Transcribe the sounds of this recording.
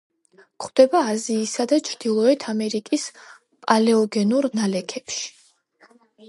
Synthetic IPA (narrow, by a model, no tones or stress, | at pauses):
kχwd̪̥ɛbaːziːsad̪at͡ʃʰɾd̪̥ilˠɔɛt̪ʰamɛɾikʼis | pʼalɛɔɡɛnuɾnalɛkʰɛpʃi̥